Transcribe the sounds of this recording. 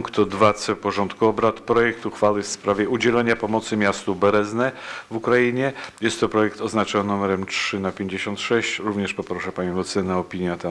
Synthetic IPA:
ŋkt̪ɔd̪vat̪sɛpɔʐɔnt̪kuɔbɾat̪pɾɔjɛk̚t̪uxfawɘfspɾavʲjɛud͡ʑɛlɛɲapɔmɔt̪sɘmʲjast̪ubɛɾɛznɛvukɾajiɲɛjɛst̪ːɔpɾɔjɛkt̪ɔznat͡ʂɔnnumɛɾɛmt͡ʂʂɘnapʲjeɲd͡ʑeɕɔnt̪ʂɛɕt͡ɕɾuvɲɛʂpɔpɾɔʂɛpaɲimɔt̪sɛnaɔpʲiɲjat̪a

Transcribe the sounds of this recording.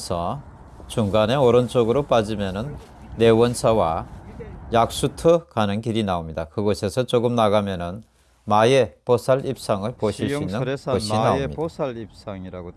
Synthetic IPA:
sʰʌ | t͡ɕuŋɡane̞oɾʌnt͡ɕ͈oɡɯɾop͈ad͡ʑimjʌnɯnː | e̞wʌnsʰawa | jak̚s͈utʰɯkanɯnkiɾinaomɲidakɯɡʌsʰe̞sʰʌt͡ɕoɡɯmnaɡamjʌnɯn | majeposʰaɭip̚s͈aŋɯɭpoɕʰiɕinnɯnsʌɕʰinaeposʰalip̚s͈aŋiɾaɡo

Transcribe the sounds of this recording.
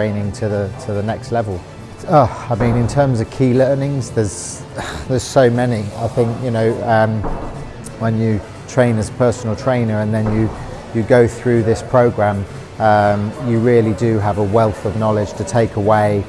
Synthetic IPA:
ẽɪ̃nɪ̃ŋtʰəðətʰəðənɛkstˡlɛvəlˠ | ʌaɪmĩnɪ̃ntʰɜːmzəv̥kʰiːlɜːnɪ̃ŋzðəz̥ | ðəz̥soʊmɛniaɪθɪ̃ŋkjɨnoʊʌ̃m | wə̃njə | tʰɹ̥ẽɪ̃nəzəpʰɜˑsən̩l̩ˠtʰɹ̥ẽɪ̃nəɹə̃nðə̃njəjəɡəʊθɹʉðɪspʰɹ̥əʊɡɹãm | ʌ̃mjəɹɪəlidəəvəwɛlˠθəvnɒlɪd̥ʒ̥tʰətʰeɪkəweɪ

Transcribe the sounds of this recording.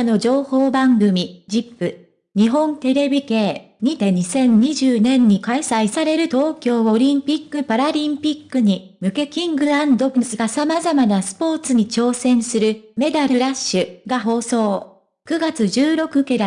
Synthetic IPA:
no̞d͡ʑo̞ːhoːbãŋɡɯ̟mʲid͡ʑipːɯ̟ | ɲ̟iɦõ̞nt̪e̞ɾe̞bʲike̞ː | ɲ̟it̪ẽ̞ɲ̟isẽ̞ɲ̟ɲiʑɨːnẽ̞ɲ̟ːikaisaisaɾe̞ɾɯ̟t̪o̞ːkʲo̞ːoɾʲĩmpʲikːɯ̟paɾaɾʲĩmpʲikːɯ̟ɲ̟i | mɯ̟ke̞kʲĩŋɡɯ̟ɾãnd̪o̞bɯsɨɡasamazamanasɨ̥po̞ːt͡sɨɲ̟it͡ɕo̞ːsẽ̞ɰ̃sɨɾɯ̟me̞d̪aɾɯ̟ɾaɕːɨɡaɦo̞ːso̞ː | kɯ̟ɡat͡sɨʑɨːɾo̞kɯ̟kɯɾa

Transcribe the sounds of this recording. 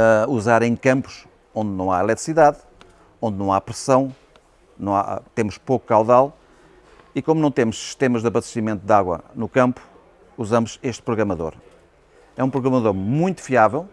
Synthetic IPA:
uzaɾẽj̃kɐ̃mpu̥ʃ | õnd̪nɐ̃w̃ailˠɛt̪ɾisiðað | õnd̪nɐ̃w̃apɾɨsɐ̃w̃ | nɐ̃w̃a̰t̪emʊʃpokukawðalˠ | ikomunɐ̃w̃t̪emʊʃsi̥ʃt̪emɐʒðɐβɐʃt̪simẽnt̪uðaɣwɐ̰nukɐ̃mpu̥ | uzɐmʊzeʃt̪̚pɾuɣɾɐmɐðo̰ɾ | ɛũpɾuɣɾɐmɐðoɾmũj̃t̪u̥fiavɛlˠ

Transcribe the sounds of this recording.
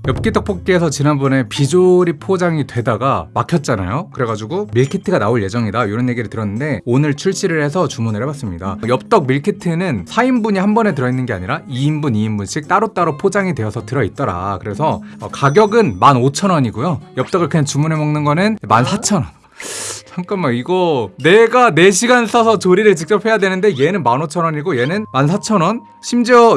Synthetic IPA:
jʌp̚k͈itʰʌk̚pʰok̚k͈iesʰʌt͡ɕinanbʌne̞pid͡ʑoɾipʰod͡ʑaŋitwe̞daɡamakʰjʌt̚t͡ɕ͈ana̰jokɯɾe̞ɡad͡ʑuɡumiɭkʰitʰɯɡanaoɭje̞d͡ʑʌŋidajoɾʌnje̞ɡiɾɯɭtɯɾʌnːɯnde̞onɯɭt͡ɕʰuɭɕ͈iɾɯɭhe̞sʰʌt͡ɕumunɯɦebwas͈ɯmɲidajʌp̚t͈ʌk̚miɭkʰitʰɯnɯnsʰaimbuɲihambʌne̞t̬ɯɾʌinːɯnɡe̞aɲiɾaiːmbuniːmbunɕʰik̚t͈aɾot͈aɾopʰod͡ʑaŋidwe̞ʌsʰʌtɯɾʌit̚t͈ʌɾa̰kɯɾe̞sʰʌʌ̰kaɡjʌɡɯnmanot͡ɕʰʌnʌɲiɡojojʌp̚t͈ʌɡɯɭkʰet͡ɕumunɦe̞mʌŋnɯnɡʌnɯnmansʰat͡ɕʰʌnʌn | t͡ɕʰaŋk͈anmaiɡʌne̞ɡane̞ɕʰiɡansʰʌsʰʌt͡ɕoɾiɾɯɭt͡ɕik̚t͡ɕ͈ʌp̚ʰhe̞jadwe̞nɯnde̞je̞nɯnmanot͡ɕʰʌnʌɲiɡoje̞nɯnmans̬ʰat͡ɕʰʌnʌn | ɕʰimd͡ʑiʌ

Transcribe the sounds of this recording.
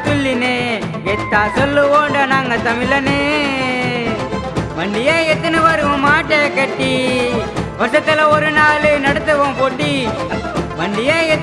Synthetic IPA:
t̪ʊlːine | ʋɛt̪ːaːsɔlːɯʋoːɳɖɐnaːŋɡɐt̪ɐmɪlːɐne | ʋɐɳɖɪjeːɛt̪ːɐnɯʋɐɾɯʋõmaːʈːekɐʈːi | ʋɐɾt̪ːɐt̪ːɯlɐɔɾɯnaːlɯnɐɽɯt̪ːɯkõːpɔɽːi | ʋɐɳɖɪjeːɛ

